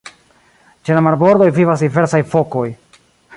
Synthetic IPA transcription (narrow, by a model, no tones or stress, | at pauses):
t͡ʃelamaɾbo̞ɾd̪o̞jvivasdive̞ɾsajfo̞ko̞j